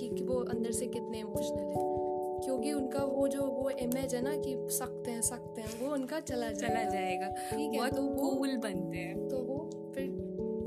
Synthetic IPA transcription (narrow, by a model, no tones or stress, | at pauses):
kikiʋoɐ̃nd̪əɾsekɪt̪neimʊʃnɐlɦɛ̃kjõːkiʊnkaʋod͡ʒoːʋoʔɪmeːd͡ʒɦɛnakisɐk̚t̪eɦɛ̃sɐk̚t̪eɦɛ̃ʋoʊnkat͡ʃɐlad͡ʒaɐlad͡ʒaːeɡaːiːkɔːt̪okuːlbɐnt̪eɦɛ̃ːt̪oʋo | fʰɪɾ